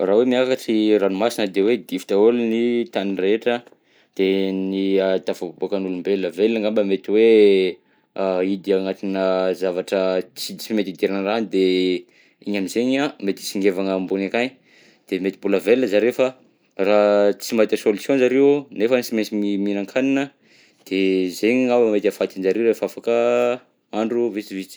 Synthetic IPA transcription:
rawemiakaʈ͡ʂiranumasinəd̪ewed̪ivi̥t̪aolnit̪anireʈ͡ʂə | d̪̥eniat̪avobuakənulumbelːəvelːaŋɡambamet̪iwe | id̪iaŋat̪inəzavaʈ͡ʂət͡sisiimet̪id̪eɾanəranid̪e | iɲamizeɲamet̪i̥siŋɡevaŋəmbunakaɲi | d̪̥emet̪ibuləvelːəzaɾefə | rat͡simait̪əsolusjonzaɾewunefənisimensimiminaŋkʰaninə | d̪̥ezeɲiŋambmamet̪ʲafat̪ind͡ʒaɾewɾefafakə | maɳɖ͡ʐuvit͡sivit͡si̥

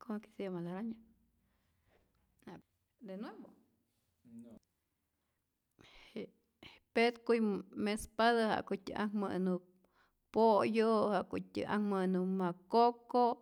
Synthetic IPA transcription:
komaki̥siamad̪aɾaɲa | a | d̪enwemo | he | pet̪kujmespaðaha̰ʔkotʲɨ̰ʔa̰ŋmə̰nu | pojohaʔko̰t̪ʲḭʔa̰ŋmənumakoko

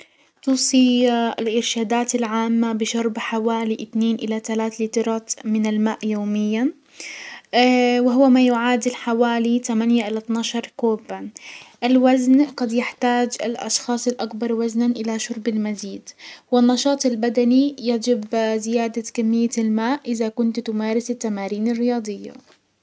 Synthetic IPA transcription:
t̪uːsˤiɪlʔɪɾʃaːd̪aːt̪ɪlʕaːmːabɪʃʊɾˤbħawaːliʔɪt̪neːnʔɪlat̪alaːt̪liːt̪ɾˤɑːt̪mɪnɪlmaːʔjoːmɪjːa | wɪɦʊwːamajʊʕaːd̪ɪlħawaːlit̪amanjaʔɪlat̪nɑːʃɑɾˤkoːbanʔɪlwaznɡɑd̪jɪħt̪aːd͡ʒɪ̰lʔɑ̰ʃxɑːsˤɪlʔakbɑɾˤwaznanʔɪlaʃʊɾˤbɪlmaziːd̪wɪnːɑʃɑːt̪ˤɪlbad̪anijad͡ʒɪbzɪjaːd̪akamːɪjːalmaːʔʔɪðakʊnt̪t̪ʊmaːɾɪsɪt̪ːamaːɾiːnɪrːɪjɑːd̪ˤɪjːa̰

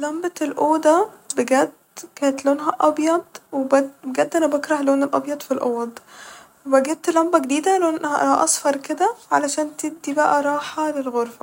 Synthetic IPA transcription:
læmbælʔoːd̪æbeɡæd̪ | kæːnt̪loːnɦæʔɑbjɑd̪ˤwebæd̪beɡæd̪ːʔænæbɑkɾˤɑhloːnelʔɑ̰bjɑd̪ˤfilʔoːd̪ˤ | mæɡeb̚t̪læmbæɡed̪iːd̪æloːnhæʔɑsˤfɑɾˤked̪æʕalæʃæːnt̪ed̪ːibæʔæɾˤɑːħɑlelɣoɾfɑ

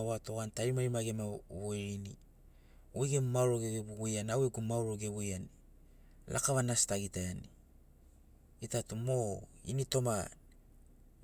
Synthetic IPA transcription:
wato̞ɡantaɾimaɾimaɡemawoeɾini | ojɡe̞mmawɾoɡeɡeβuwojanaweɡumawɾoɡewojani | lʔa̰kaβanastaɡitajani | itatumoḭnito̞man

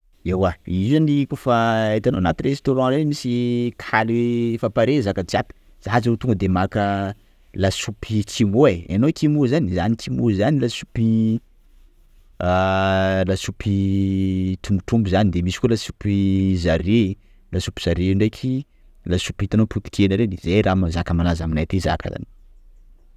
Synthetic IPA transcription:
ewaizanikofaet̪ananat̪irest̪oɾãɾemisikʰalifapaɾezakət͡siat̪ə̥ | z̥aat͡saut̪uŋɡəd̪emakə | lasupʰikʰimoeanokʰimuzanizanikʰimuzanilasu̥pi | a | lasupʰi | t̪umbutumbuzanid̪emisi̥kulasu̥pizaɾe | lasupi̥z̥aɾeɳɖ͡ʐekʲʰi | lasupit̪anoput̪i̥kʲʰenəɾenizejɾamzakəmanazaminajt̪iza̰ka̰za̰ni̥

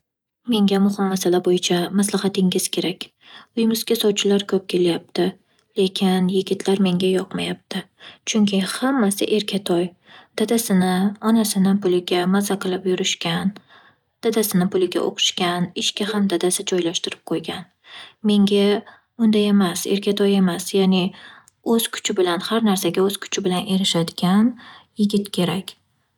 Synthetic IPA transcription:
me̞ŋɡʲamʊhɪmːasalabojɪt͡ʃʰamaslˠɑhɑt̪ɪŋɪz̥kʲʰe̞ɾakʲ | ʊjɪmɪzɡʲasɒwt͡ʃʰɪlaɾkʰɵp̚kʲʰe̞lajap̚t̪ʰɪ | le̞kʲʰɪnjɪɡʲɪt̪ʰlaɾme̞ŋɡʲajɒqmajap̚t̪ʰɪ | t͡ʃʰʊŋkʲʰɪhamːasɪ̰ʔe̞ɾkʲʰat̪ʰɒj | d̪̥ad̪asɪnɪɒnasɪnɪpʊlɪɡʲamazaqʰɨlˠɪpjʊɾɪʃkʲʰan | d̪̥ad̪asɪnɪpʊlɪɡʲa̰ʔo̰qʰɨ̥ʃkʲanɪʃkʲahamd̪ad̪asɪd͡ʒɒjlaʃt̪ɪɾɪp̚qʰojɡʲan | me̞ŋɡʲa | ʊnd̪aje̞mase̞̰ɾkʲʰat̪ʰɒje̞masjanɪ | ɵz̥kʰʊ̥t͡ʃʰɪbɪlanhaɾnaɾsaɡʲaɵz̥kʰʊ̥t͡ʃʰɪbɪlanʔe̞ɾɪʃad̪ɪɡʲanjɪɡʲɪt̪kʲʰe̞ɾakʲ

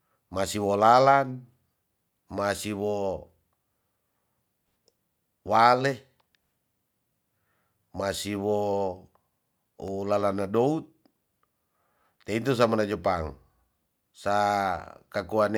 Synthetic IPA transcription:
masiwolalan | masiwo | wale | masiwo | ulalanːadout̪̚ | t̪eit̪us̬amanad͡ʒɔpaŋ | sakakuan

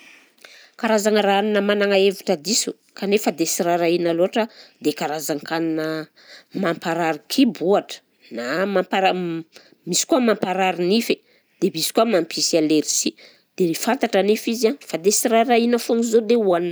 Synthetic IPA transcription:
kaɾazaŋəɾaaninəmanaŋaeviʈ͡ʂad̪isu | kanefad̪esiɾaɾainaloaʈ͡ʂəd̪ekaɾazaŋkaninə | mampaɾaɾikʰibuaʈ͡ʂə̥ | namampaɾa | misi̥kuamampaɾaɾinife̥ | d̪̥ebisi̥kuamampʰisaleɾisi | d̪̥enfant̪aʈ͡ʂanefizanifad̪esiɾaɾainəfunizod̪euanin

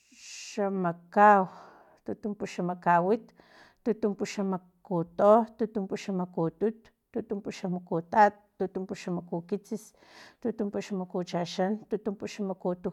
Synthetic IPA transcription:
ʃamakaw | t̪ut̪umpuʃamakawit̪ | t̪ːut̪umpuʃamakut̪ot̪ut̪umpuʃamakut̪ut̪ːut̪umpuʃamakut̪at̪ːut̪umpuʃamakukit͡sis | t̪ut̪umpuʃamakut͡ʃaʃant̪ut̪umpuʃamakut̪u

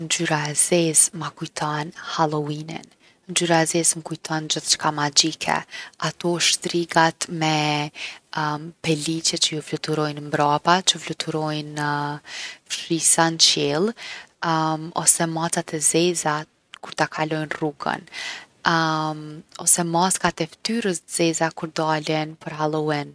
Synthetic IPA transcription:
nd͡ʒyɾaɛzɛzmakujt̪ʰɔnhalˠɔwinḭn | ɲd͡ʒyɾaɛzɛzməkujt̪ʰɔnd͡ʑəθt͡ʃkamad͡ʒikʰɛ̰at̪ɔʃʃt̪ɾiɡat̪mɛ | pɛlit͡ʃɛt͡ʃəjuflut̪uɾɔjnmbɾapat͡ʃəflut̪ʰuɾɔjnə | fʃɾisant͡ʃjɛlˠ | ɔ̰sɛmat͡sat̪ɛzɛzat̪ | kuɾt̪akʰalɔjnruɡə̰n | mɔsɛmaskat̪ɛft̪yɾəsz̥ɛzakuɾd̪alɛnpəɾɦalˠɔɛn

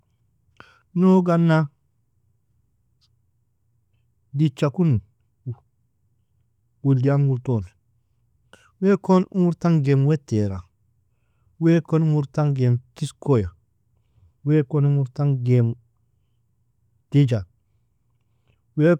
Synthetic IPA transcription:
nuɡanːa | dit͡ʃːakun | u | wuldiaŋɡuɾton | wekonumuɾtaŋɡemweteɾa | wekonumuɾtaŋɡemkiskoja | wekonumuɾtaŋɡem | tid͡ʒa | we

